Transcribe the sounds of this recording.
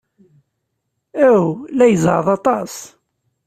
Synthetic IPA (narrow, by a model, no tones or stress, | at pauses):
æwlæjəzʕðˤɑt̪ˤɑs